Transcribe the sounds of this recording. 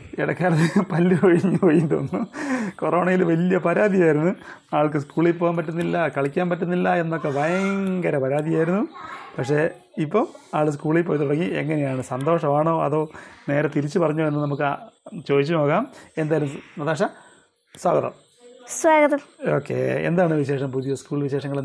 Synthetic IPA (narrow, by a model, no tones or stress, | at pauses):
iɽɐkːeaːlɐðɨpɐlːuɐɻiɲːupoːjint̪o̰nːukoro̞ːɳɐjilʋɐlijɐpɐɾaːd̪ʱijaːjiɾunːuaːɭk̬ɨs̬kuːɭilpoːɣaːmpɐtːunːilːɐkɐɭikʲːaːmpɐtːunːilːɐenːo̞kːe̞ʋɐjɐŋɡɐɾɐpɐɾaːd̪ijaːjiɾunːupɐkʂe̞ | ipːɐmaːɭɨs̬kuːɭilp̬o̞ːjet̪ːurɐŋːiḛŋːɐnejaːɳɨsɐnd̪o̞ːʂɐmaːɳo̞ːɐ̰ðo̞ːne̞ːɾɐt̪iɾit͡ɕːɨpɐrɐɲːoːenːɨnɐmuk̬ːɨt͡ɕo̞ːðit͡ɕːɨno̞ːkːaːmend̪aːjilumnɐd̪aːʂɐ | swa̰ːɡɐðɐ̰m | swaːɡɐðɐmo̞̰ːkːḛḛnd̪aːɳɨʋiɕe̞ːʂɐmpuðijɐskuːɭʋiɕe̞ːʂɐŋːɐɭ